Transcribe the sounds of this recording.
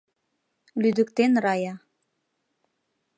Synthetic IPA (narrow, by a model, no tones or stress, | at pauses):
lyd̪əkt̪enrɑjɑ